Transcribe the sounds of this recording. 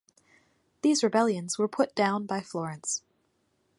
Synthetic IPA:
ðizɹɨbɛlˠjɨ̃nz̥wə˞pʰʊt̚d̥ãʊ̃nbaɪflɔɹɨ̃ns

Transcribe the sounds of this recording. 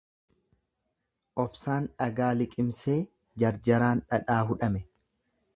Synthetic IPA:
ʔɔbsaːnᶑɐɡaːlɪkʼɪmseː | d͡ʒɐɾd͡ʒɐɾaːnᶑɐᶑaːɦʊᶑɐmɛ

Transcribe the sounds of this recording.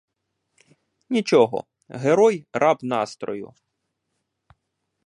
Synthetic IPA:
nʲit͡ʃɔɦɔ̰ | ɦeɾɔjrɑbnɑst̪ɾɔjʊ̰

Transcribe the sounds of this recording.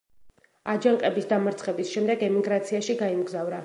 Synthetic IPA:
ad͡ʒaŋqʼɛbisd̪amaɾt̪sʰχɛbisʃɛmd̪ɛɡɛmiɡɾat̪sʰiaʃiɡaimɡzavɾa

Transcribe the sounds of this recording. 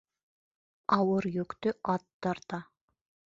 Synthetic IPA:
ɑwɤɾjɵkt̪ɵʔɑt̪ːɑɾt̪ɑ

